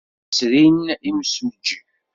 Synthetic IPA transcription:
sɾiniməsnd͡ʒi

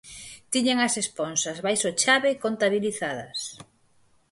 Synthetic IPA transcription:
t̪iɲeŋɐsesponsazβajsot͡ʃaβekont̪aβ̞iliθaðɐs

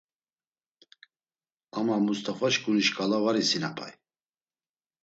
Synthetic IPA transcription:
amamust̪ʰʼafaʃkʼuniʃkʼalavaɾisinapʰʼa̰j

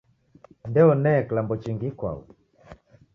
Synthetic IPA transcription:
ndɛɔnɛːkilambɔt͡ʃiŋɡikwa̰ṵ

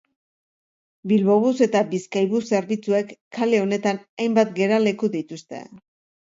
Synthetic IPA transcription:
bilβo̞βuse̞t̪abiskajβuse̞ɾβit͡sue̞kːale̞o̞ne̞t̪anajmbat̪ɡe̞ɾale̞kuðit̪ust̪e̞̰

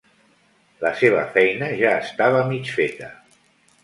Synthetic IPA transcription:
ləseβ̞ə̰fɛjnəʒaːst̪aβ̞əmit͡ʃfet̪ə

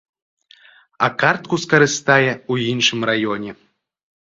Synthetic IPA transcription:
ɐkart̪̚kuskɐɾɨst̪ajɛujinʂɨmrajɔnʲɛ

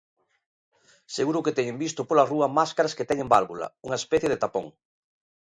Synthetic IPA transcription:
seɣuɾʊket̪ɛɲembist̪ʊpolaruɐmaskaɾɐsket̪ɛŋẽmbalβulɐ̰uŋɐespɛθjeðet̪apõŋ

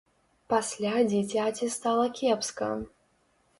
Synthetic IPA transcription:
pasʲlʲad͡zʲit͡sʲat͡sʲist̪alˠɐkʲɛpskɐ̰

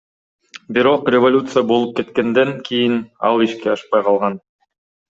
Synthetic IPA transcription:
biɾo̞qrʲɪvolʲut̪sɨjabo̞lˠup̚ke̞t̪ke̞nd̪e̞ŋkʰijinɑlˠiʃkeɑʃpɑjqʰɑlˠʁɑn

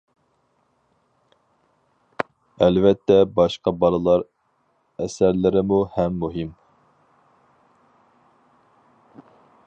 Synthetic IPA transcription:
ɛlvɛt̪ʰːɛbɑʃqɑbɑɾɨlˠɑɾ | ɛsæɾlɪɾɪmuhɛmːuɦim

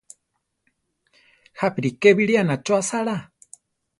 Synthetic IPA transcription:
hapiɾikeβiɺianat͡ʃoasaɺa

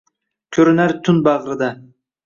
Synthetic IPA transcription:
t̪ʲʰɵɾynæɾt̪ʰʊnbɑʁɾɨd̪ɑ

